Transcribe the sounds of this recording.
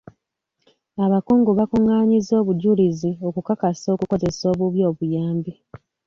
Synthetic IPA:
aβakuːŋɡuβakuŋːaːɲizo̞ːβuɟulizio̞kukakaso̞kuko̞ze̞so̞ːβuβjo̞ːβujaːmbi

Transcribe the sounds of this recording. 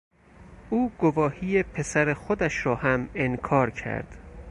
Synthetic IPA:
ʔuːɡovɒːhijepʰe̞sæɾexod̪æʃɾɒːhæmenkʰɒːɾcʰæ̰ɾd̪̥

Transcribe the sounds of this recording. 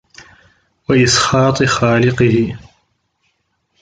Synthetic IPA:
waʔɪsxɑːt̪ˤɨxaːlɪqɨhɪ

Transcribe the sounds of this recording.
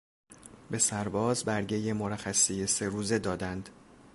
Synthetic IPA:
be̞sæɾbɒːzbæɾɟe̞je̞moɾæxæsijese̞ɾuːze̞d̪ɒːd̪ænd̪

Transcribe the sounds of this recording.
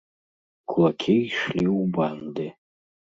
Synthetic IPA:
kʷʰʼlakʲʰeiʂliubande

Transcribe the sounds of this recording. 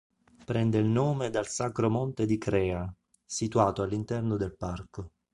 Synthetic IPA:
pɾɛnd̪eilnoːmed̪alsakɾomont̪ed̪ikɾɛːa | sit̪uaːt̪oalːint̪ɛrnod̪elparko

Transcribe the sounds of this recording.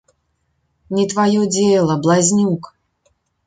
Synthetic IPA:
nʲit̪vajɔd͡zʲelˠɐblˠazʲnʲuk

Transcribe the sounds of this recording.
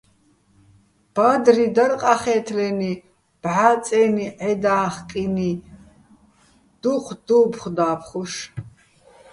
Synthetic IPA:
b̥ad̪rid̪ɐɾqʼaχɛːt̪ʰlɛni | b̥ʕat͡sʼɛniʕɛd̪aːχkʼini | d̪̥uqʰʷd̪̥upʰχd̪aːpʰχuʃ

